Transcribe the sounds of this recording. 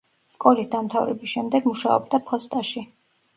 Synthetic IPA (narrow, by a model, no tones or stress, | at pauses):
skʼɔlisd̪amt̪ʰavɾɛbisʃɛmd̪ɛɡmuʃaɔ̰b̚d̪apʰɔst̪ʼaʃi